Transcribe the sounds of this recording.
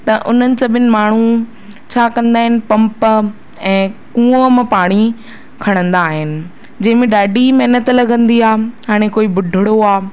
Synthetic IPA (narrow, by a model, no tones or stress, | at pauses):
t̪ɐʔʊn̤ənɪ̆sɐbɪnɪ̆maːɳ̤u | t͡ɕʰaːkɐ̃nd̪aːɦɪnɪ̆pɐ̃mp | ɛ̃ːkũːəmãpaːɽ̃i | kʰɐɽ̃ə̃nd̪aːɦɪnɪ̆ | d͡ʑɐ̃ɦɪ̃mẽɗaːɖimɛɦnət̪lɐɡʱə̃nd̪iaːɦaːɽ̃ekoːibʊɖʱɪɽoaː